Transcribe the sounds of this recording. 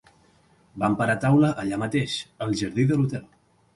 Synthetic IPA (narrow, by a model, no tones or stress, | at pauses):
bampəɾat̪awləʔəʎamət̪eʃəlˠʒəɾðiðəlut̪ɛlˠ